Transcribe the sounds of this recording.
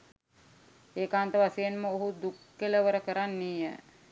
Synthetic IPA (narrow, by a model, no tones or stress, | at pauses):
eːkaːnt̪əʋasejenməoɦud̪ukːeləʋəɾəkəɾanːijə̰